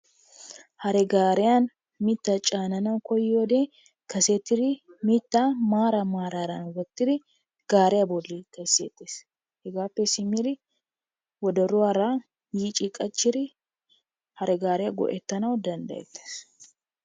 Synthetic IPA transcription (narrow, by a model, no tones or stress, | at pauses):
hɐɾɛɡaːɾɛjan | mɪt̪ːɐt͡ʃʼaːnɐnɐwkɔjoːd̪e | kɐset̪ːɪd̪ɪmɪt̪ːamaːɾɐmaːɾaɾɐnwɔt̪ːɪd̪ɪ | ɡ̥aːɾɛjabɔlːɪkɐsḛːt̪ːeːs | hɛɡaːpːɛsɪmɪɾɪ | wɔd̪ɐɾʊwaɾa | jiːt͡ʃʼɪkʼɐt͡ʃːɪɾɪ | hɐɾʔɛɡaːɾɛjaɡɔ̰ʔɛt̪ːɐnɐwd̪ɐnd̪ɐ̰jɛ̰t̪ːe̥ːs